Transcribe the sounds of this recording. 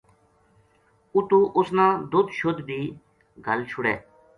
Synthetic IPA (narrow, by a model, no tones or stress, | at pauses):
ʊt̪uːʔʊsnãːd̪ʊd̪ʃʊd̪d̪iː | ɡʱəlt͡ʃʰʊɽɛː